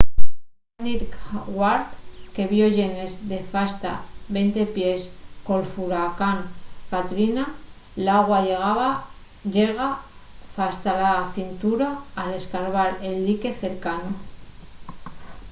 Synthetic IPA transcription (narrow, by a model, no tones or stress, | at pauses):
nit̪kɣwaɾt̪ke̞βjo̞ʝe̞ne̞zd̪e̞fast̪a̰βent̪e̞pje̞sko̞lfuɾakaŋkat̪ɾina | laɣwaʝeɣ̞aβa | ʝeɣafast̪alaθint̪uɾaːle̞skaɾβaɾeld̪ike̞θe̞ɾkano